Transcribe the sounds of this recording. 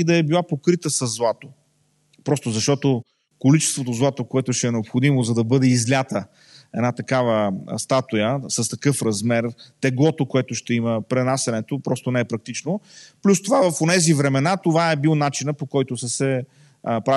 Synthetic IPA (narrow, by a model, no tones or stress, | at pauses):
id̪ɐɛbilˠapokɾit̪əsɐzːlˠat̪o̥ | pɾɔst̪ozɐʃt̪ɔt̪o | kolit͡ʃɛst̪vot̪ozlˠat̪okoɛt̪ʊʃɛːnɛopxod̪imozɐd̪ɐbɤd̪ɛizlʲjat̪ə | ɛd̪nat̪ɐkavəst̪at̪ʊjəsɐst̪ɐkɤfɾɐzmɛrt̪ɛɡlˠɔt̪okoɛt̪ʊʃt̪ɛiməpɾɛnasɐnɛt̪opɾɔst̪onɛɛpɾɐk̚t̪it͡ʃnoplʲust̪ovavɐfonɛzivɾɛmɛnat̪ovaɛbilˠnat͡ʃinəpokɔjt̪ʊsəsɛ | pɾa